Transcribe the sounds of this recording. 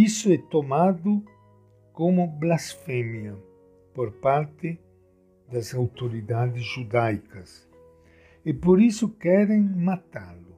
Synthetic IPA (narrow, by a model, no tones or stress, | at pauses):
isʊɛt̪omad̪ʊ | komʊblasfɛmja | poɾpaɾt̪ɪ | d̪azawt̪oɾid̪ad̪ɪzʒud̪ajkɐs | epoɾisʊkɛɾeŋmat̪alʊ